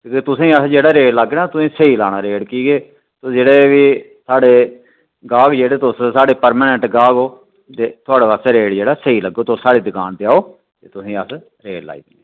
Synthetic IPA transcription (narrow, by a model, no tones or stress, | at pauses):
kõːket̪ʊsĩːəsd͡ʒeːɽaːɾeːɽləɡːnaːt̪ʊsĩːsəiːlaːɽ̃aːɾeːɽkiːɡeː | t̪oːd͡ʒeːɽeːʋiː | saːɽeː | ɡaːɡd͡ʒeːɽeːt̪ʊssaːɽeːpəɾmaːnɛ̃ɳʈɡaːɡoː | t̪eːt̪ʰʊaːɽeːʋaseɾeːɽd͡ʒeːɽaːsəiːləɡːoːt̪osaːɽiːd̪ɪkaːnt̪eaːoː | t̪eːt̪ʊsĩːəs | ɾeːɽla̰ːḭːd̪ɪneː